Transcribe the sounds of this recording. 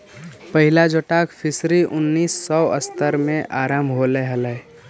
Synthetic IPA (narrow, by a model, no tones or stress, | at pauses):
pəɦɪlad͡ʒoʈaːkpʰɪsɾiʔʊnːiːsːɔə̰st̪əɾmẽʔaːɾambʱɦoleɦələ